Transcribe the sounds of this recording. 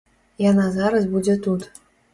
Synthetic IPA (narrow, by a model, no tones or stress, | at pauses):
janɑzɑɾɐs̬bud͡zʲet̪ut̪